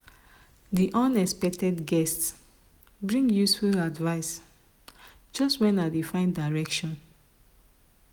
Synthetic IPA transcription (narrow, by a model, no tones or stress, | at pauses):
diʔɔ̃nɛspɛk̚tɛdɡɛst | bɹĩŋɡjusfuladvaɪs | d͡ʒɔstwɛ̃naɪdefãɪ̃ndaɪɹɛkʃɔ̃n